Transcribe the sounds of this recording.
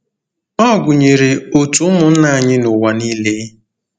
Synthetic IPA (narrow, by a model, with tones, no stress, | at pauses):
ɔ˦˨ɡʊ˨ɲe˨ɾe˨o˨tʊ˦mʊ˨n̩˦na˦˨ɲɪ˦nʊ˨wa˨niː˦le˦